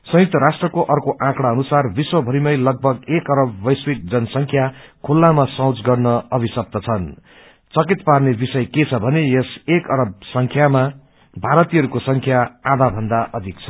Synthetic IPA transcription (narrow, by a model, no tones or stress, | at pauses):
sʌ̃juk̚t̪ʌɾasʈrʌkoʔʌrkoʔãkɽaʌnusarbiswʌbʱʌɾimʌjlʌɡ̚bʱʌɡekʌɾʌbːʌjswik̚d͡zʌnsʌŋkʰjakʰulːamasʌw̃t͡sɡʌrnʌʌbʱisʌb̚t̪ʌt͡sʰʌn | t͡sʌkit̪parnebisʌjket͡sʰʌbʱʌnejesekʌɾʌb̚sʌŋkʰjama | bʱaɾʌt̪iɦʌɾukosʌŋkʰjaad̪abʱʌnd̪aʔʌd̪ʱik̚t͡sʰʌ̥